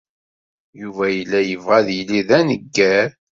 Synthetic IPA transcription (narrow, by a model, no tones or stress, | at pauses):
juvæjəlːæjəvʁæðjliðænəɡːæɾ